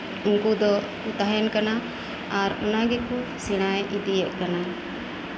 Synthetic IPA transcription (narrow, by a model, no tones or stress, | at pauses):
uŋkud̪ɔ | ut̪aɦɛnkana | aɾɔnaɡɛkɔsiɽ̃ajʔid̪iɛʔ̚kana